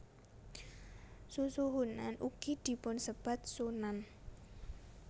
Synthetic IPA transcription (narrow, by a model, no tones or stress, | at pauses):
susuɦunːa̰nʔuɡ̥id̪̥i̤pʊnsəb̥at̪̚sunan